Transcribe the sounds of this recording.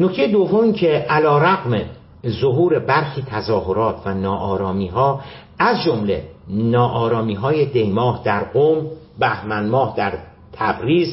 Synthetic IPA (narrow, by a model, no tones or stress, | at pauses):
no̞cʰt̪e̞jed̪o̞vːomiːcʰeʔælɒːɾæɣme | zoɦuːɾe̞bæɾxiːt̪ʰæzɒːɦo̞ɾɒːt̪ʰvænɒːʔɒːɾɒːmiːɦɒː | æzd͡ʒomle̞̰nɒːʔɒːɾɒːmiːɦɒːjed̪e̞jmɒːhd̪æɾɡom | bæhmænmɒːhd̪æɾ | t̪ʰæbɾiːz